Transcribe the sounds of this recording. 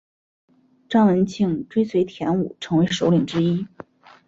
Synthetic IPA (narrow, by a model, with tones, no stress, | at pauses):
ʈ͡ʂɑ˥ŋwə˧˥nt͡ɕʰi˥˩ŋʈ͡ʂwe˥ɪswe˧˥ɪt̪ʰjɛ˧˥nu˨˩ʈ͡ʂʰɤ˧˥ŋwe˧˥ɪʂo˧˥ʊli˨˩ŋʈ͡ʂɻ̩˥i˥